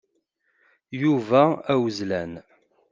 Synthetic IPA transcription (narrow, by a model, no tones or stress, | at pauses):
juvæːwəzlæn